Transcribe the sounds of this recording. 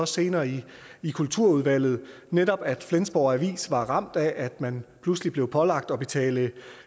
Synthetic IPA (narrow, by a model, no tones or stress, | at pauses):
ɒ̽se̝ːnɐːiikʰult͡sʰuɐ̰uðˠʋæl̰ð̞̩ˠ | nedɒ̽b̥æd̥flensb̥ɒʊ̰æʋḭːsʋɑ̈ʁɑ̈m̰d̥æʔæd̥mænpʰluslib̥le̝ʊpʰɒ̽lɑ̈ɡ̥̚d̥ɒ̽b̥e̝t͡sʰɛ̰ːlə